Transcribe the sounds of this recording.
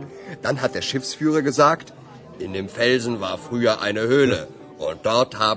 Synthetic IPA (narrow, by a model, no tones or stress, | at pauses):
d̥anɦat̚d̥eːɐʃɪfsfyːʁ̞ɐɡəzaːkt | ʔɪndeːmfɛlzn̩vaːɐfʁ̥yːɐʔa̰ɪnəhøːlə | ʔʊnt̚d̥ɔɐthaː